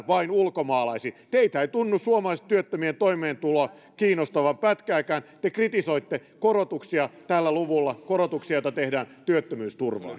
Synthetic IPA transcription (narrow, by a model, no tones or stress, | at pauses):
ʋɑinulkomɑːlɑisit̪eit̪æeit̪unːussuomɑlɑiset̪yøt̪ːømient̪oimeːnt̪ulo | kiːnost̪ɑʋɑmpæt̪kæːkæːnt̪ekrit̪isoit̪ːekorot̪uksiɑt̪ælːæluʋulːɑkorot̪uksijɑjŏt̪ɑt̪ehdæːnt̪yøt̪ːømyːst̪urʋɑ̰ːn